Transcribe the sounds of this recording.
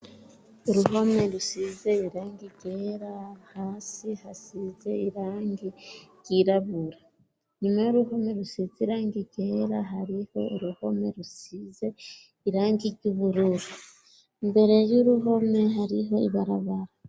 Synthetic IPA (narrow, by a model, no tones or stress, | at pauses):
uɾuɦo̞me̞ɾusize̞iɾaːŋɡiɡeɾahaːsihasize̞iɾaːŋɡiɟ̥iɾaβuɾa | ɲumajuɾuɦo̞me̞ɾusiziɾaːŋɡiɡe̞ɾaɦaɾiho̞uɾuho̞me̞ɾusize̞ | iɾaːŋɡiɟuβuɾuɾu | mbe̞ɾe̞ɾjuɾuɦo̞me̞ɦaɾiɦo̞iβaɾaβaɾa